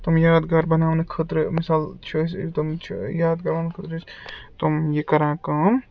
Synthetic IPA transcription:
t̪omjaːd̪ɡɐɾbɐnaːwnɨkʰət̪ɾmisaːlt͡ʃʰost̪omt͡ʃʰjaːd̪̚ɡɐɾaːnkʰət̪ɾət͡ʃt̪omjekɐɾãːkɐm

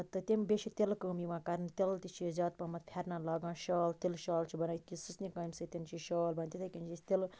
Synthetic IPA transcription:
t̪ɨt̪embeʃit̪elkəmiʋãkɐɾnt̪elt̪it͡ʃʰizaːt̪̚pɐmɐt̪pʰeɾnalaɡãːʃaːlt̪ilʃaːlt͡ʃʰibɐnɐjkisusnikɐːjmsɨt̪int͡ʃʰiʃɔːlbɐnt̪it̪ʰɐkint͡ʃʰist̪el

